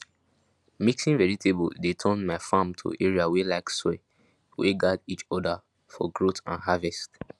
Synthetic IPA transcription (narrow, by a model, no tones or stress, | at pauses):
miksĩnvɛɹitʰebo̰detʰɔ̃nmaɪfãmtʰṵʔɛɹiawelaɪkse | wḛɡadit͡ʃɔda | fɔ̰ɡɹotãnɦavɛst